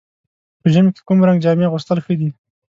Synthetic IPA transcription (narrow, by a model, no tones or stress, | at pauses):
pəʒəmeke̥kumɾaŋɡd͡ʒɑmeɣʊst̪əlxəd̪i